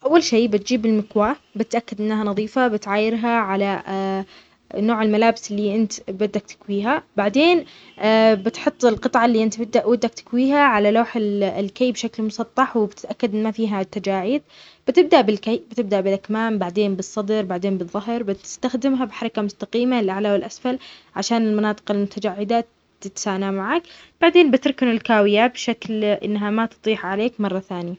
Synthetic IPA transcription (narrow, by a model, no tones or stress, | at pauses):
ʔawːalʃeːbɪt̪d͡ʒiːbɪlmɪkwaːbɪt̪ʔakːad̪ʔɪnːahanɑðˤiːfabɪt̪ʕaːjɪɾɦaʕala | noːʕɪlmalaːbɪsɪlːiʔɪnt̪bɪd̪ːak̚t̪ɪ̥kwiːɦabaʕd̪eːn | bɪt̪ħʊt̪ˤːɪlqɨt̪ˤʕɑlːiːʔɪnt̪bɪːaʔwad̪ːakt̪ɪ̥kwiːɦaʕalaloːħɪllkejːbʃaklmʊsˤɑt̪ˤːɑħwɪbɪt̪ɪʔakːad̪ʔɪnːmafiːɦat̪ːad͡ʒaːʕiːd̪̚ | b̥ɪt̪ɪb̚d̪aʔbɪlkajbɪt̪ɪb̚d̪aʔbɪlʔakmaːmbaʕd̪eːnbɨsˤːɑd̪ɾbaʕd̪eːnbɨððˤːʊɦɾbɪt̪ɪst̪axd̪ɪmɦabɪħɑɾˤɑkamʊst̪aqiːmalʔaʕlawɪlʔasfalʕaʃaːnɪlmɑnɑːt̪ˤɨ̥qɪlmʊt̪ʰad͡ʒaʕːɪd̪a | t̪ɪt̪saːnamaʕaːkb̥aʕd̪eːnbɪt̪ɪɾˤkɪnɪlkaːwɪjabʃaklʔɪ̰nːɦamat̪ɨ̥t̪ˤiːħʕaleːkmɑrˤːɑθaːnɪja